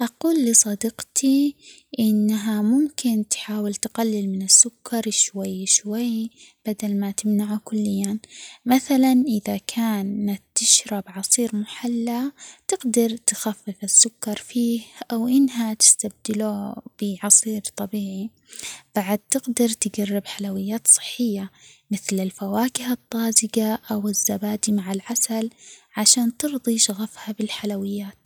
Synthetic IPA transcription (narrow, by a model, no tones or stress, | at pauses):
ʔɑquːlːisˤɑd̪ɪqt̪ʰi | ʔɪnːɦamʊmkɪnt̪ħaːwɪlt̪ɡalːɪlmɪnɪsːʊkːɑɾˤʃwajːʃwajb̥ad̪almat̪ɪmnaʕukʊlːɪjːamaθalanʔɪðakʰaːnːat̪ːɪʃɾˤabʕɑsˤiːɾmʊħalːat̪ɪɡd̪ɑɾˤt̪xafːɪfɪsːʊkːɑɾˤfiːhʔawʔɪnːɦat̪ɪ̥st̪ab̚d̪ɪlub̥ɪʕɑsˤiːɾt̪ˤɑbiːʕi | b̥aʕad̪̚t̪ɪɡd̪ɑɾˤt̪ɪɡarːɪbħalawɪjːaːt̪sˤɨ̥ħːɪjːamɪθlɪlfawaːkɪhɨt̪ˤːɑːzɪɡaʔawɪzːabaːd̪imaʕalʕasalʕaʃaːnt̪ɨɾðˤiʃaɣafhabɪlħalawɪjːaːt̪̚